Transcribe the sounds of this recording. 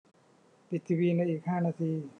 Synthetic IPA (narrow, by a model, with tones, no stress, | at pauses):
pi˨˩t̪̚ʰi˧wiː˧na˧jʔiː˨˩k̚haː˥˩˨naː˧t̪ʰiː˧